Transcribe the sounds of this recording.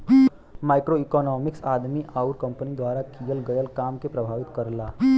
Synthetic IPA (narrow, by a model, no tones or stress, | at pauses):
maːɪkɾoikɔnɔːmɪksaːd̪miʔaːuɾkɐ̃mpənid̪ʋaːɾakijəlɡəjəlkaːmkepɾəbʱaːʋɪt̪kəɾlaː